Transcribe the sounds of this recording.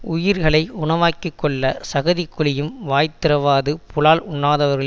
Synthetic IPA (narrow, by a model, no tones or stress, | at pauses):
ʊjɪɾɣɐɭɐɪʊɳɐʋaːkːikːɔɭːɐsɐɣɐðɪkːʊɭɪjɯmʋaːjt̪ːɪɾɐʋaːðɯpʊlaːlʊɳːaːðɐʋɐɾɣɐɭ